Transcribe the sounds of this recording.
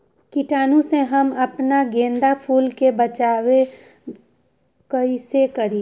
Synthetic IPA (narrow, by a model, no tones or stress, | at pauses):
kɪʈaːnũseɦɐmɐpnaɡẽːnd̪apʰuːlkebət͡ʃaːwe | kəisekəɾiː